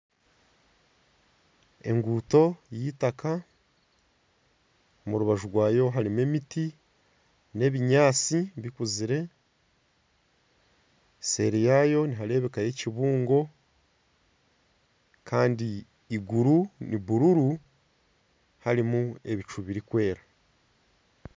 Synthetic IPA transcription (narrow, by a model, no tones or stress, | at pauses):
e̞̰ŋɡuːto̞jitaka | omuɾuβaʒuɾɡwaːjo̞ɦaɾimwe̞miti | ne̞βiɲaːt͡siβikuziɾe̞ | se̞̰ɾijaːjo̞niɦaɾe̞ːβe̞kaje̞ciβuːŋɡo̞ | kʰaːndiː | ɡuɾuniβuɾuɾu | haɾimue̞βit͡ʃuβiɾikwe̞ːɾa